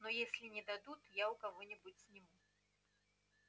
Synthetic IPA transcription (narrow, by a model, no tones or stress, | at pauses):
nɔjesʲlʲinʲɛd̪ad̪ut̪jawkaɣɔnʲɛbut͡sʲsʲnʲimu